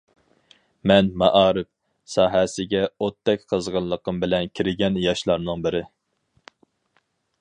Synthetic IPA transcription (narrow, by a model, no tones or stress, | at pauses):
mɛnmɑʔɑːɾɪp̚ | sɑːɦɛsɪɡʲɛot̪ʰːɛk̚ʲqʰəzʁəlːˠəqəmbɪlɛnkʲʰiɾɪɡʲɛnjɑʃlˠɑɾnɨŋbɪɾɪ